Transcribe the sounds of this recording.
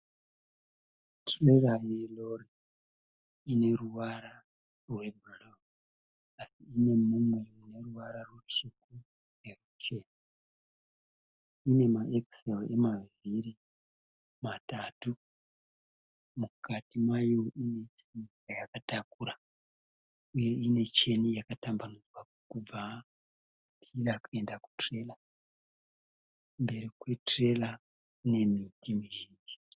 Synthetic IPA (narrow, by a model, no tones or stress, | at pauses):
tʰrerajelo̞ri | ine̞ruwaɾa | rwe̞bʱilo | asiːne̞mumwe̞une̞ruwaɾarwut͡ʃuku | rerut͡ʃe̞na | ine̞maʔeksele̞maviri | matatu | mukatimwajo̞ʔine̞t͡ʃeni | ajakatakuːɾa | uje̞ine̞t͡ʃe̞nijakatambanud͡zwa | kub͡va | pʰirakue̞ndaku̥tre̞la | mbe̞ɾikwe̞tre̞la | ne̞mitimirind͡ʒi̥